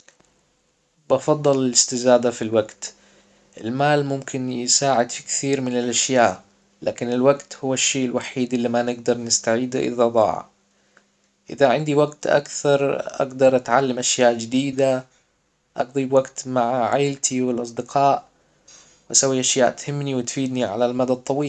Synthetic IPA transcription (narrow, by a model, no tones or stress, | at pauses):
bɑfɑd̪ˤːɨlalɪst̪ɪzaːd̪afilwaɡt̪ | ʔɪlmaːlmʊmkʰɪnjɪsaːʕɪd̪fi̥kθiːɾmɪnɪlʔaʃjaːʔ | laːkɪnɪlwaɡt̪hʊwːaʃːeːʔɪlwaħiːd̪ʔɪlːimanɪɡd̪ɑɾˤnɪst̪aʕiːd̪a̰ʔɪ̰ðad̪ˤɑ̰ːʕa̰ | ʔɪ̰ðaʕɪnd̪iwaɡt̪ʔa̰kθɑɾˤʔa̰ɡd̪ɑɾˤʔat̪ʕalːamʔaʃjaːʔd͡ʒɪd̪iːd̪a | ʔɑɡd̪ˤibwaɡt̪maʕaʕajlt̪ʰiwɪlʔɑs̬ˤd̪ɪqʰɑːʔ | wʔasawːiʔaʃjaːʔt̪hɪmːniwɪt̪fiːd̪niʕa̰lalmad̪at̪ˤːɑwiː